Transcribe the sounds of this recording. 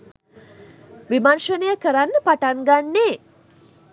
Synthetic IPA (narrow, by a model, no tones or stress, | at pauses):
ʋimanʃənəjəkəɾanːəpaʈaŋɡanːeː